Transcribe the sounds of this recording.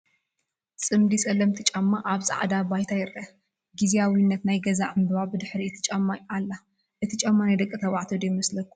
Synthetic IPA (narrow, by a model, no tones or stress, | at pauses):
sʼɨmd̪isʼɐlɐmt̪ʰit͡ʃʼɐmːaʔaβsʼa̰ʕd̪abajt̪ʰajɪɾʔɐ | ɡizijawinːɐt̪najɡɐzaʕɨmd̪wabɨd̪ɨħɾit̪ʰɨ̥t͡ʃʼɐmːajalːa | ʔɨt̪ʰit͡ʃʼɐmːanajd̪ɐkʼːɨt̪ʰɐβaʕt̪ʰod̪ejmɐslɐkːu̥